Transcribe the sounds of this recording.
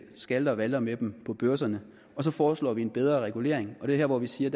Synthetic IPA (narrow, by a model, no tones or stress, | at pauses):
sɡ̥æld̥ɐʋælɐmed̥mpʰɒ̽b̥øɐsɐnə | ɒ̽s̬ɒ̽fɒːslɒ̰ːʋienb̥eð̞ˠʁɐʁɛɡ̥ule̝̰ɐ̰eŋɒ̽d̥e̝heɐ̰ʋɒʋisiːɐd̥